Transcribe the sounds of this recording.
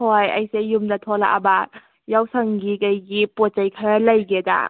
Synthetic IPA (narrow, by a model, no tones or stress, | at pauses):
ɔjɐ̰jsejumnɐt̪ʰɔla̰ʔaba | jawsʰɐŋɡikajɡipɔt̚t͡ʃajkʰaɾalɐjɡɛda̰